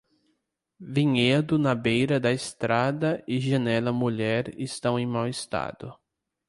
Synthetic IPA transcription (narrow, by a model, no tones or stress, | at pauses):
vĩɲed̪ʊnɐbejɾɐd̪ɐɪst̪ɾad̪ɐɪʒɐnɛlɐmuʎɛɾɪst̪ɐ̃w̃ẽj̃mawɪst̪a̰d̪ʊ